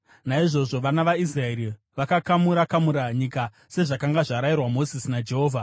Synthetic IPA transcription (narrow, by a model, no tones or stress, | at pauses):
naiʐo̞ʐo̞ʋanaʋais̬raeɾi | ʋakakamuɾakamuɾaɲika | se̞ʐakaŋɡaʐaɾairwamo̞zisinad͡ʒe̞ɦoːvʱa